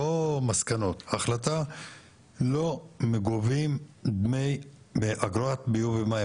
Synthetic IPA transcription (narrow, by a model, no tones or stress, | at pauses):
omaskano̞t̪aχlat̪a | lo̞meɡovimd̪mej | beʔaɡɾoat̪̚bijuvema